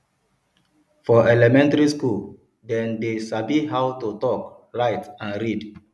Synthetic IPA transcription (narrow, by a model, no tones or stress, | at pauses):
fɔɛlɛmɛ̃ntaɹiskul | dɛ̃ndesabiɦawtutɔk | ɹaɪtãnɹid